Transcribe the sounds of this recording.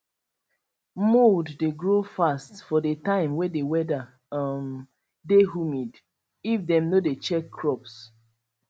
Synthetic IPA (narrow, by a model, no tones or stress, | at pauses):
moddeɡɹofastfɔdetãɪ̃mwɛdewɛda | m | deɦumid | ifdɛ̃mnodet͡ʃɛkʰːɹɔps